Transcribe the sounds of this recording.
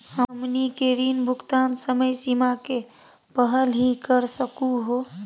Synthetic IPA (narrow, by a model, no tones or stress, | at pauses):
əmnikeɾinbʱukt̪ansəməjsimake | pəɦəlɦikəɾsəkuɦo